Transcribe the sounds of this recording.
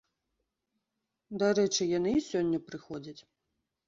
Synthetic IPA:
d̪aɾɛt͡ʂɨjanɨsʲɔnʲːɐpɾɨxɔd͡zʲɐt͡sʲ

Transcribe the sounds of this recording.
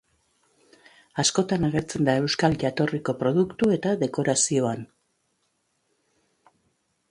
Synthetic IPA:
asko̞t̪anaɣ̞e̞ɾt͡se̞nd̪ae̞wskalʝat̪o̞riko̞pɾo̞ð̞ukt̪ue̞t̪aðe̞ko̞ɾasio̞an

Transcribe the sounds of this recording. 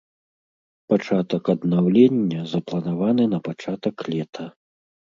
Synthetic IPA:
pat͡ʂat̪ɐkɐd̪nawlʲenʲːɐzɐplˠɐnavanɨnɐpat͡ʂat̪ɐkːlʲɛt̪ʰɐ

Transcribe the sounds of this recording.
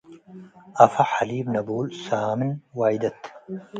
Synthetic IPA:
ʔɐfaħaliːbnɐbuːlsaːmɨnwaːjd̪ɐt̪

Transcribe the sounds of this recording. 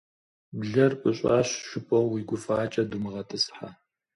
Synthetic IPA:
bɮɐrpʷʼʊɕʼɑːɕʃʷʊpʰʼɔwːiɡʷʊfaːt͡ʃʼɐdumɨʁɐtʰɨsħa

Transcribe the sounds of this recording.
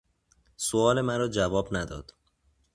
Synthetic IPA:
soɒːle̞mæɾɒːd͡ʒævɒːbnæd̪ɒ̰ːd̪̥

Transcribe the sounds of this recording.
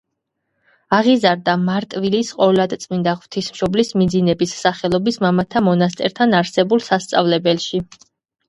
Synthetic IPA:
aʁizaɾd̪amaɾt̪ʼvilisqʼɔlˠad̪t̪sʼmind̪aʁvt̪ʰismʃɔblismid̪zinɛbisːaχɛlˠɔbismamat̪ʰamɔnas̬t̪ʼɛɾt̪ʰanaɾsɛbulˠsast̪sʼavlɛbɛlˠʃi

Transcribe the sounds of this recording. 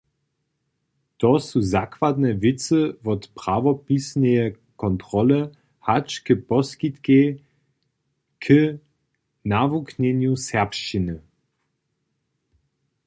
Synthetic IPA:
tɔsuzakvadnɛvɪt͡səvɔtpʁavɔpisnɛjɛ | kɔntʁɔlə | hat͡ʃkəpɔskit̪ke | kʰə | navuknɛnjusɛʁpʃt͡ʃinə

